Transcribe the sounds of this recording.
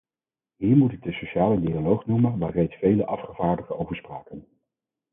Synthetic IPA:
ɦiːɹmutɪk̚dəsoʃaːlədialowχnuməʋaːrejtsfejləʔɑfχəv̥aːɹdəχəowvəɹspraːkən

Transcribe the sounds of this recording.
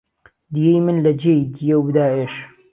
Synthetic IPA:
d̪ijejmɨnlɐd͡ʒeid̪ijewd̪aːeʃ

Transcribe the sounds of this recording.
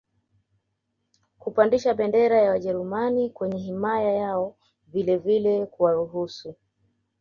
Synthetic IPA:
kupandiʃaɓɛndɛɾajawaʄɛɾumanikwɛɲɛɦimajajaɔ | vilɛvilɛkuwaɾuɦusu

